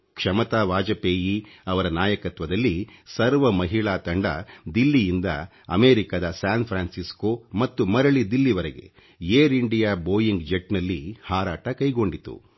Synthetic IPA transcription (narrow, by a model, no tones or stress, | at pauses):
kʂɐmɐt̪aːʋaːd͡ʒɐpeːjiɐʋɐɾɐnaːjɐkɐt̪ʋɐd̪ɐlːisɐɾʋɐmɐɦiɭaːt̪ɐɳɖɐd̪ilːijind̪ɐ̰ | ɐ̰meːɾikad̪ɐsaːnpʰɾaːnsiskoːmɐt̪ːumɐɾɐɭid̪ilːiʋɐɾeɡe̞̰ | jeːɾiɳɖijaːboːjiŋɡd͡ʒeʈnɐlːihaːɾaːʈɐkɐjɡo̞ɳɖit̪ṵ